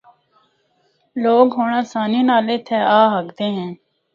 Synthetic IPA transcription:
loːɡɦoːɳãːsaːninaːleːt̪ʰɛːaːɦəɡd̪eːɦɛ̃ː

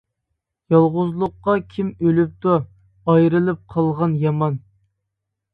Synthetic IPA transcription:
jɑlˠʁʊzlˠʊqːɑkʲʰimølyp̚t̪u | ɑjɾɨlˠɨp̚qʰɑlˠʁɑnjɑmɑn

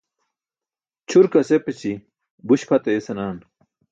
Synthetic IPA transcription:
t͡ɕʰuɾkɐsepet͡ɕi | buɕpʰɐt̪ɐesɐnaːn

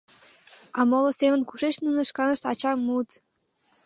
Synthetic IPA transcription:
ɑmolŏsemə̆nkuʃeʃnunə̆ʃkɑnə̆ʃt̪ɑt͡ɕɑmut̪

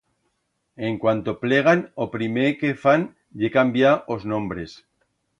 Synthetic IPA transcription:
eŋkwant̪o̞ple̞ɣ̞anopɾimekefan | ʎekambjaoznõmbɾe̞s

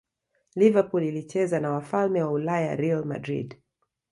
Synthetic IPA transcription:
livapulilit͡ʃɛzanawafalmɛwaulaja̰ɾialma̰dɾḭd

